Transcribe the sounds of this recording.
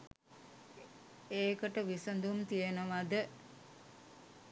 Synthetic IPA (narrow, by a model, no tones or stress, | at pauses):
eːkəʈəʋisənd̪umt̪ijenəʋad̪ə